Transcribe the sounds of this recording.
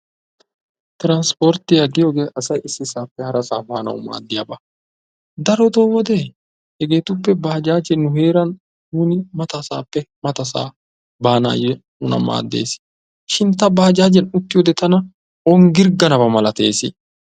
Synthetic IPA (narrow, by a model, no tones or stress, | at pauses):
t̪ɪɾɐnspoɾt̪ɪjɐd̪ɪjoɡeːʔɐsɐjʔɪsːɪsaːpːɛhɐɾɐsaːbaːnɐ̰wʊma̰ːd̪ːɪjabɐ | d̪ɐɾɔd̪oːwɔd̪ɛ | hɛɡe̞ːt̪ʊpːɛbaːd͡ʒaːd͡ʒɛnʊɦe̞ːɾɐn | nuːnɪmɐt̪ɐsaːpːɛmɐt̪ɐsa̰ː | baːna̰ːjɛnʊnɐ̰ma̰ːd̪ːe̞̰ːsɪ̥ | ʃɪnt̪ɐbaːd͡ʒaːd͡ʒɛnʊt̪ːɪjɔd̪ɛt̪ɐnɐ | ɔŋɡɪɾɡɐnɐbɐmɐlɐt̪e̞̰ːsɪ